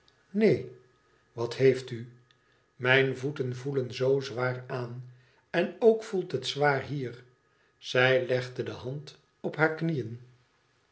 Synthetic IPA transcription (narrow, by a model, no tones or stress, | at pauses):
nej | ʋɑthejfty | mɛjnvutənvulənzowzʋaːraːn | ɛnowkfulˠtɦətsʋaːɹɦiːr | z̥ɛjlɛχdədəɦɑnt | ɔpɦaːɹknijən